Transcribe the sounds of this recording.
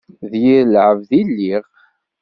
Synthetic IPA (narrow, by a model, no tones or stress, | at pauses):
ðjiɾlʕəvðilːiʁ